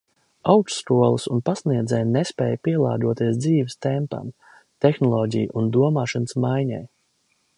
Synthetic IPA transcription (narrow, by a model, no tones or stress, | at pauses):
awksːkuɔlˠɨsunpasniɛd̪zɛjnespɛ̰ːjpiɛlˠa̰ːɡ̪uɔt̪iɛs̬d̪ziːvəst̪ɛmpa̰m | t̪exnɔlˠɔːɟʲḭj̰ʔund̪uɔmaːʃanəsmajɲɛ̰j